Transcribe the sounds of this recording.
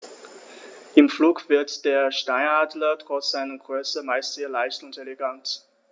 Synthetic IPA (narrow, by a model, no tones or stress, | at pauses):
ʔɪmfluːkv̥ɪɐtd̥eːɐʃtaɪnaːdlɐtʁ̥ɔt͡sz̥aɪnəɡʁøːsəmaɪstz̥eːɐlaɪçtʊntelɛɡant